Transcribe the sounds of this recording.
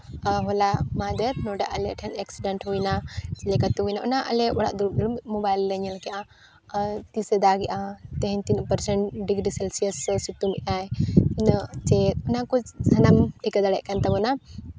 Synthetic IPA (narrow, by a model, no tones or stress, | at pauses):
ɦɔlamad̪ɛɾnɔɖa̰ʔalɛʈʰɛnɛksiɖaɳʈhujnalɛkat̪uujnaʔɔnaʔɐ̰lɛɔɽa̰ʔd̪ud̪umɔbajlːəɲɛlkɛʔa | t̪isɛd̪aɡɛʔat̪ɛɦɛɲt̪inpəɾsɛɳʈɖiɡɾisɛlsiəssut̪umiʔajinət͡ʃɛtɔnakɔsɐnamʈʰikad̪aɽɛʔkant̪abɔna